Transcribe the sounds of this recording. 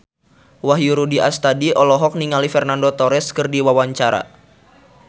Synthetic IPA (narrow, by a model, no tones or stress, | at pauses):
waɦjuɾudiʔast̪adiʔɔlɔɦɔk̚niŋalifɛrnandot̪ɔɾɛskɨrdiwawaɲt͡ʃaɾa̰